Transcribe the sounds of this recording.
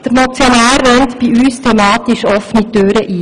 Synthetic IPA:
d̥əɾmɔt͡sjɔnæːrːœnt̪b̥iyːstʰɛmɑːt̪iʃɔfnitøːɾəʔiː

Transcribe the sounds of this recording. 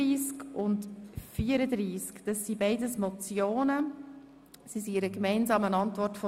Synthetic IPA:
iːskʊntfiːəɾəd̪ɾiːskd̥ɑsːibɛɪdəsmɔt͡sjoːnə | sisiɪɾəkmɛɪnzɑːmənɑntvɔrtfɔ

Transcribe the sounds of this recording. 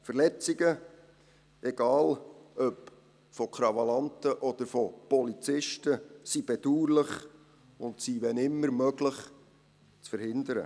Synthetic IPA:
fəɾlɛt͡siɡə | ɛɡ̥ɑːlœp | fɔkχɾɑvɑlɑntəʔɔd̪̥əɾfɔpɔlit͡sɪʃtəsib̥ɛd̥uːɾlɪχ | ʊntsiʋɛnɪmːəɾmœɡləχ | t͡sfəɾhɪnd̪əɾə̰

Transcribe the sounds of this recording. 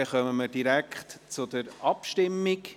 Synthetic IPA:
ɛχœməmədiɾækχtt͡sʊd̥̪əɾʔɑpʃtɪmːɪɡ

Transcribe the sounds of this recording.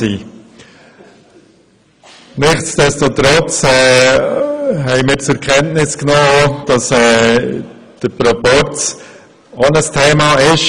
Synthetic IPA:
iː | nɪχt͡sd̥ɛstot̪ɾɔt͡sɛː | hɛɪmɪːɾt͡sɛɾkʰɛntnɪsknɔːd̥ɑsɛː | d̥əpɾɔpɔɾt͡s | onəstʰeːmɑɪʃ

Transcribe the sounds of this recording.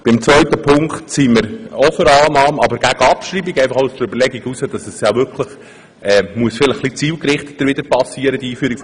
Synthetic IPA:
b̥ɪmt͡svœʏtəpʰʊŋkχtsiːməɾɔfəɾɑːnɑːmɑbəɾɡ̥æɡ̥əɑpʃɾiːbiɡæɪfɑχoʊusd̥əɾøbəɾlɛɡiɡusəd̥ɑsɛsjɑvʏkʰləχ | ɛːmuəsfɪləχχlit͡siːlkɾɪχtə̥td̥əɾʋɪd̪əɾpɑsiəɾəd̥iiːfyːɾik

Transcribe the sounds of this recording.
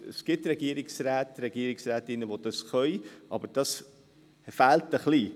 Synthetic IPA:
əsɡ̥ɪtɾɛɡ̥iəɾɪksræːtɾɛɡ̥iəɾɪksɾæːtɪnːəʋod̥ɑsχœʏʔɑ̰bəd̥ɑs | fæːltəχli

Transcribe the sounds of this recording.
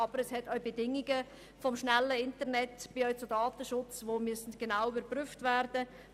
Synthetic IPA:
ɑbəɾɛshɛtœɥbedɪŋiɡə | fɔmʃnɛlːəɪntəɾnɛtb̥ɪœʏt͡sʊdɑːtəʃʊt͡sʋoːmysn̩tɡ̥enaʊybəɾpryftvæɾdə

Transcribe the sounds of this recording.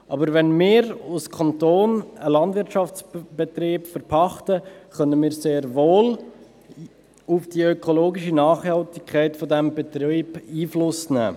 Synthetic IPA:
ʔɑbəɾʋɛnmɪːɾʊskʰɑntoːnəlɑndʋɪɾtʃɑft͡sb̥ɛt̪ɾiːpfəɾpʰɑχtəχœnəmɪːɾseːɾvoːl | ufd̥iœkʰoloːɡiʃinɑːχhɑltɪkʰχɛɪtfɔdɛmbɛt̪ɾiːbiːflʊsnɛ̰ː

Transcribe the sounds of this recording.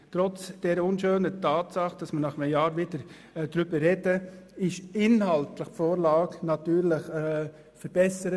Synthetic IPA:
tɾɔt͡sd̥ɛɾʊnʃøːnətʰɑːtsɑχd̥ɑsmənɑχəməjɑːɾʋɪdəɾ | dɾʏbəɾɛdəɪʃɪnhɑltləχfoːɾlɑːknɑtyːɾlɪχɛ | fəɾb̥ɛsəɾə

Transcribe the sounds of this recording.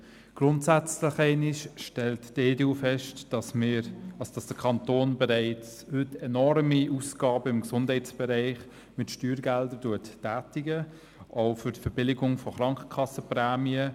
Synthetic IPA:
ɡ̥rʊntsæt͡slɪχɛɪnɪʃʃtɛltdeːdeuːfɛʃtmɑsod̥ɑsd̥əkʰɑntoːnbɛɾɛɪt͡shʏtɛnɔɾmiʔusɡ̥ɑːbəɪmɡsʊnd̥hɛɪt͡sb̥ɛɾæɪχ | mɪtʃtyːɾɡɛldəɾduətːæːtɪɡə | ʔoʊfʏtfɛɾb̥ɪlɪɡʊŋfɔχɾɑŋkə̥kʰɑsəpræːmiə

